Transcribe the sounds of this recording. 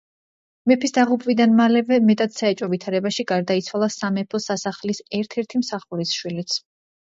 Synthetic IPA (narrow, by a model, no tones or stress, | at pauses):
mɛpʰisd̪aʁupʼvid̪anmalɛvɛmɛt̪ʼad̪̥saɛt͡ʃʼɔvit̪ʰaɾɛbaʃiɡaɾd̪ait̪sʰwalˠasamɛpʰɔsasaχlisɛɾt̪ʰɛɾt̪ʰimsaχuɾisʃwilit̪sʰ